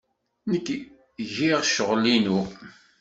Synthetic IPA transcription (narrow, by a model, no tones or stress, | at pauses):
nəkː | ʝiʁʃəʁlinu